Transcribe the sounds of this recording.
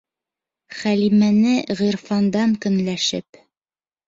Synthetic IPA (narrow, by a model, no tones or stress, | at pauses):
χælimænɘʁiɾfɑnd̪ɑŋkɵ̆nlæʃɘ̰p